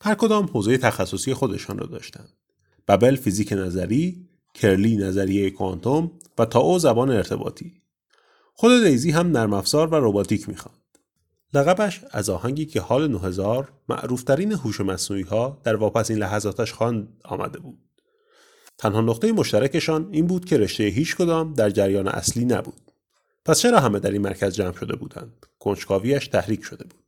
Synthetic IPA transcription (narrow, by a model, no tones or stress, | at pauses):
hæɾkʰo̞d̪ɒːmhoːze̞jet̪ʰæxæsːo̞siːje̞xo̞d̪e̞ʃɒ̰ːnrɒ̰ːd̪ɒ̰ːʃt̪ænd̪̥ | b̥æbe̞lfiziːcʰenæzæɾiː | cʰe̞ɾliːnæzæɾijejekʰoɒ̰nt̪ʰom | væt̪ʰɒːʔozæbɒːneeɾt̪ʰe̞bɒ̰ːt̪ʰiː | xo̞d̪e̞lejziːɦæmnæɾmæfz̥ɒːɾvæɾobɒːt̪ʰiːcʰmḭːxɒːnd̪̥ | læɣæbæʃæ̰zɒːhæɲɟiːcʰe̞hɒːle̞noɦe̞zɒːɾ | mæ̰ʔɾuːft̪ʰæɾiːneɦuːʃemæsnuːiːhɒːd̪̥æɾvɒːpæsiːnlæɦæzɒːt̪ʰæʃxɒnd̪ɒ̰ːmæ̰d̪e̞buːd̪̥̚ | t̪ʰænhɒːnoqt̪e̞jemo̞ʃt̪æɾæce̞ʃɒːniːnbuːd̪̚cʰe̞ɾe̞ʃt̪e̞jeɦiːt͡ʃʰkʰo̞d̪ɒːmd̪æɾd͡ʒæɾjɒːnḛʔæ̰sliːnæ̰bṵːd̪̥̚ | pʰæst͡ʃʰe̞ɾɒːɦæmed̪æɾiːnmæ̰ɾcʰæzd͡ʒæːmʃo̞d̪e̞bṵːd̪æ̰nd̪̥ | kʰo̞nʃkʰɒːviːæʃt̪ʰæhɾiːcʰʃo̞d̪e̞bu̥ːd̪̥